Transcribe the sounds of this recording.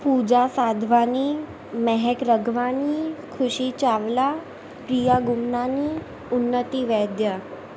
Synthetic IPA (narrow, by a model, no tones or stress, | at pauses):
pud͡ʑasad̪ʱʋaniː | mɛɦɛkɾəɡʱʋanikʰuɕiːt͡ɕaʋla | pɾijaɡumnani | unːət̪iːʋɛd̪jə